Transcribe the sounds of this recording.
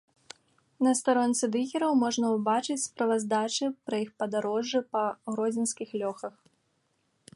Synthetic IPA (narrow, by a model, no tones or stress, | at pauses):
nɐst̪aɾɔnʲt̪sɨd̪ɨɣʲɛɾɐwmɔʐnɐwbat͡ʂɨt͡sʲspɾɐvɐzd̪at͡ʂɨpɾɐixpɐd̪aɾɔʐːɨpɐɣɾɔd͡zʲɪnskʲixlʲɔxɐx